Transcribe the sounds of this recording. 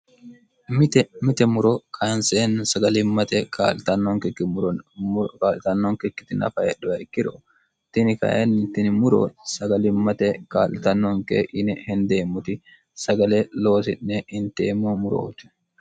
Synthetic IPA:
mɪt̪ɛmɪt̪ɛmʊɾokʰɐnseːnsɐɡɐlɪmːɐt̪ɛkʰa̰ːlt̪ɐnːɔŋkɛkːɪmʊɾɔnkaːlɪt̪ɐnːɔŋkɛkːɪ̥t̪ɪnɐ̰fɐʔɛ̰ɗʊwɐɪkːɪɾɔ | t̪ːɪnɪkɐ̰ḛnːɪt̪ːɪnɪmʊɾo̰ːsɐɡɐlɪmːɐt̪ɛka̰ːlɪt̪ɐnːɔŋkḛʔɪnɛhɛnd̪e̞ːmːʊt̪ɪ | sɐɡɐleːloːsɪnːɛɪnt̪eːmːoːmʊɾo̰ːt̪ɛ̥

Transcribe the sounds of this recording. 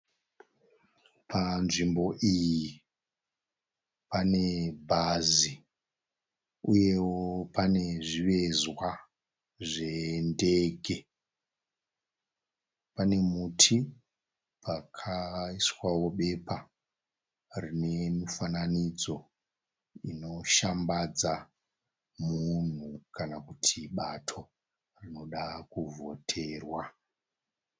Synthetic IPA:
pʰanʐimbo̞ʔiji | pane̞bʱazi | uje̞wopane̞ʐiʋe̞zwa | ʐe̞nde̞ɡʱe̞ | pane̞mutʰi | pʰakʰaiswawo̞ɓe̞pa | rine̞mifananid͡zo̞ | ino̞ʃambad͡za | mun̤ukanakutʰiɓatʰo̞ | rino̞ɗakuvo̞tʰe̞ːrwa

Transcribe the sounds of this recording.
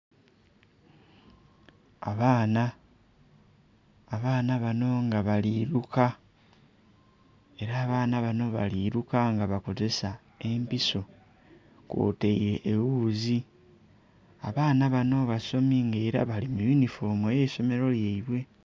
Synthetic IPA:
a̰βaːna | βaːnaβano̞ŋɡaβaliːɾuka | e̞ɾaːβaːnaβano̞βa̰liɾukaŋɡaβako̞ze̞sa | e̞mpiso̞ | kwo̰ːteiɾe̞ʔːwuːzi | aβaːnaβano̞βaso̞miŋɡeɾa̰βalimujunifo̞mojeso̞me̞ɾo̞ljeiβwe̞

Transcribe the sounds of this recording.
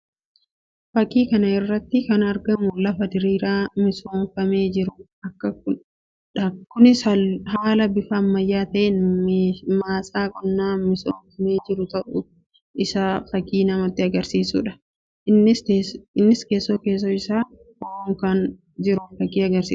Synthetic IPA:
fɐkʼːiːkɐnɐɪrːɐt̪ːɪkɐnɐɾɡɐmʊlɐfɐd̪ɪɾiːɾaːmɪsoːnfɐme̞ːd͡ʒɪɾʊ | ɐkːɐkʊ | ᶑɐkːʊnɪsɐɦaːlɐbɪfaːmːɐjːaːt̪ɐʔen | maːsaːkʼɔnːaːmɪsoːnfɐmeːd͡ʒɪɾʊt̪ɐʔʊ | ʔɪsaːfɐkiːnɐmɐt̪ːɪɐɡɐɾsiːsṵːᶑɐ̥ | ɪɪnːɪskeːsːoːke̞ːs̬ːoːɪsaː | ooːŋkɐn | d͡ʒɪɾʊnfɐkʼiːɐɡɐɾsḭː

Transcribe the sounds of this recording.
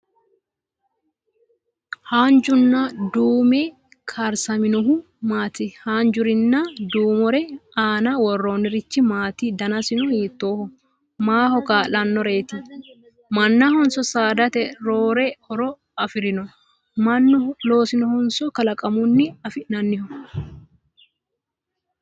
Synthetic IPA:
haːnd͡ʒʊnːad̪uːmɛ | kʰaːɾsɐmɪnɔɦʊ | maːt̪ɪhaːnd͡ʒʊɾɪnːaːd̪uːmɔɾɛaːnɐwɔrːo̞ːnːɪɾɪt͡ʃːɪmaːt̪ɪd̪ɐnɐsɪnɔhiːt̪ːoːhʊ | maːhɔkaːlɐnːɔɾeːt̪ɪ | mɐnːahɔnsɔsaːd̪ɐt̪ɛɾoːɾɛɔɾɔ | ɐfɪɾɪnɔ | mɐnːɔlo̞ːsɪnɔhɔnsɔkɐlɐkʼɐmʊnːɪɐfɪnɐnːɪhʊ

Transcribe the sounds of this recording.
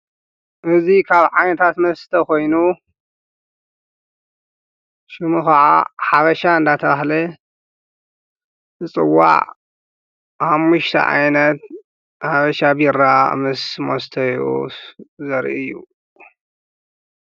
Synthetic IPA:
ʔɨzikʰaβʕajnɐt̪ʰat̪mɐst̪ʰɐko̞jnu | ʃɪmuxɐʕa̰ħaβɐʃaɨnd̪at̪ʰɐβahlɐ | zɨt͡sʼɨwːa̰ʕ | ħamːuʃt̪ʰɐ̰ʕa̰jnɐt̪̚ | ħaβɐʃabiɾa̰mɨsmost̪ʰɐjo̰ | zɐɾʔɨjːṵ

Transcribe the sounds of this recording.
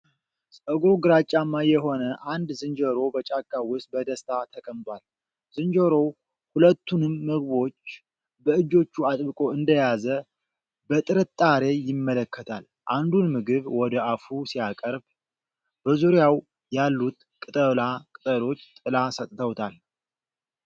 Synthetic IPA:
sʼəɡoɡɨɾat͡ʃʼːamːajɛɦo̞nəʔand̪zɨnd͡ʒəɾo̞bət͡ʃʼakʼːawʊsbəd̪əst̪ʰat̪ʰəkʼəmt̪ʼwal | z̥ɨnd͡ʒəɾo̞ | hulət̪ːunɨmːəɡbo̞t͡ʃː | bəɨd͡ʒo̞t͡ʃːuat̪ʼbɨkʼo̞ɨnd̪əjazə | bət̪ʼɨɾɨt̪ʼːaɾe̞jɪmːələkʰːət̪ʰa̰l | ʔand̪unmɨɡɨβwɔd̪əʔafusijakʼəɾb | bəzuɾjaw | jalːut̪ | kʼɨt̪ʼəlakʼɨt̪ʼəlo̞t͡ʃːt̪ʼɨlasət̪ʼt̪ʰəwt̪ʰal

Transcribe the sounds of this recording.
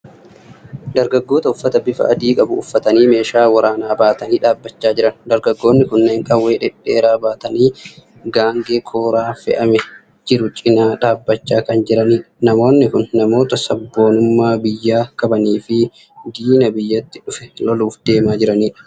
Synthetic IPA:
d̪ɐɾɡɐɡːo̞ːt̪ɐʊfːɐt̪ɐbɪfɐ̰ʔɐd̪iːkʼɐbʊʊfːɐt̪ɐniːme̞ːʃaːwɐɾaːnaːbaːt̪ɐniːᶑaːbːɐt͡ʃːaːd͡ʒɪɾɐnd̪ɐɾɡɐɡːo̞ːnːɪkʊnːeːŋkʼɐwːe̞ːᶑɛᶑe̞ːɾaːbaːt̪ɐniː | ɡaːŋɡeːkʰo̞ːɾaːfɛ̰ʔɐmɛ | d͡ʒɪɾʊt͡ʃʼɪnaːᶑaːbːɐt͡ʃːaːkɐnd͡ʒɪɾɐniːᶑɐnɐmo̞ːnːɪkʊnːɐmo̞ːt̪ɐsɐbːo̞ːnʊmːaːbɪjːaːkɐbɐniːfɪ | d̪iːnɐbɪjːɐt̪ːɪᶑʊfɛ̥lɔluːfd̪e̞ːmaːd͡ʒɪɾɐniːᶑɐ̥

